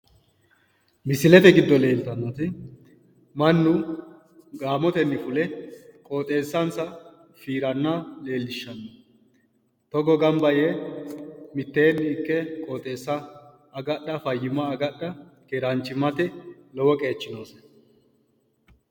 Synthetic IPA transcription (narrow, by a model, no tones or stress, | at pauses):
mɪsɪlɛt̪ɛɡɪd̪ːɔle̞ːlt̪ɐnːɐt̪ɪ | mɐnːʊ | ɡaːmɔt̪ɛnːɪfʊlɛkʼo̞ːt̪ʼe̞ːsːɐnsɐ | fiːɾɐnːɐle̞ːlːɪʃːɐnːɐ | t̪ɔɡɔɡɐmbɐje | mɪt̪ːe̞ːnːɪɪkːɛkʼo̞ːt̪ʼe̞ːsːɐː | ɡɐɗɐfɐjːɪmɐːɡɐɗɐkeɾɐnt͡ʃːɪmɐt̪ɛlɔwɔkʼe̞ːt͡ʃːɪno̞ːs